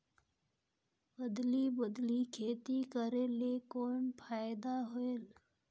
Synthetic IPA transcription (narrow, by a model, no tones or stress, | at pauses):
bəd̪libəd̪likʰet̪ikəɾelekoɳpʰajd̪aɦoel